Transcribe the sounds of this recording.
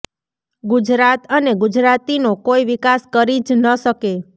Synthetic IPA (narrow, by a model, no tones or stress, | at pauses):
ɡud͡ʒɾat̪əneɡud͡ʒɾat̪inokoiʋikaskəɾid͡ʒnəʃəke